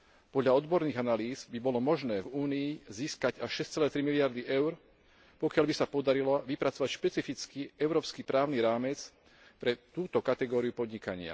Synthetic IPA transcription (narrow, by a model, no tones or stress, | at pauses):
pɔd̪ʎaɔd̪bɔɾniːɣanaliːzbibɔlɔmɔʒnɛːvuːniiziːskaɟaʃʃɛst͡sɛlɛːt̪ɾimiliaɾd̪iʔɛʊɾ | pɔkɪaʎbisapɔd̪aɾilaʋipɾat͡sɔʋacʃpɛt͡sifit͡skiɛʊɾɔːpskipɾaːʊniɾaːmɛt͡s | pɾɛt̪uːt̪ɔkat̪ɛɡɔːɾiupɔd̪ɲikaɲɪa̰